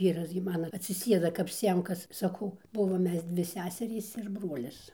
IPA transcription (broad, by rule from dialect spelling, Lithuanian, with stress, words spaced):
ˈʋʲiːrɐs ɡʲɪ ˈmɑːnoː ɐtʲsʲɪˈsʲeːdɐ kɐp ˈsʲiɛmkɐs sɐˈkɐʊ ˈbʊʋoːm ˈmʲɛs ˈdʲʋʲɪ ˈsʲæːsʲɛrʲiːs ɪr ˈbruɔlʲɪs